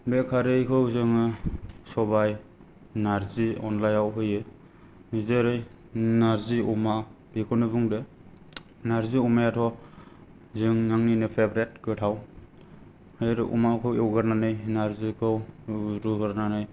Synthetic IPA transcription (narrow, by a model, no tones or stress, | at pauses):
bekʰaɾɯjkʰɯwzɯŋɯsɔbaj | naɾziɔnlajawɦɯjɯ | zeɾɯj | naɾziuma | b̥ikʰɔnɯbuŋde | naɾziumajatʰɔ | zɯŋnaŋninɯpʰebɾet̚ɡɯtʰaw | hɯjɾɯʔṵmakʰɯwewɡɯɾnanɯjnaɾzikʰɯwɾuɡɯɾnanɯj